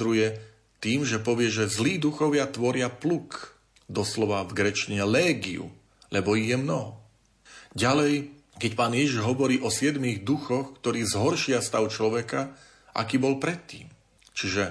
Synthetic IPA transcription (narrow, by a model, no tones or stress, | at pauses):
ɾujɛ | t̪iːmʒɛpɔʋɪɛʒɛzliːd̪uxɔʋɪat̪ʋɔɾɪapluk | d̪ɔslɔʋavɡɾɛt͡ʃɲɛlɛːɡiṵ | lɛbɔiɣjɛmnɔɦɔ | ɟalɛj | kɛcpaːnjɛʒiʒɦɔʋɔɾiːʔɔsɪɛd̪miɣd̪uxɔxkt̪ɔɾiːzɦɔɾʃɪast̪aʊt͡ʃlɔʋɛka | ʔa̰kiːbɔlpɾɛt̪ːḭːm | t͡ʃiʒɛ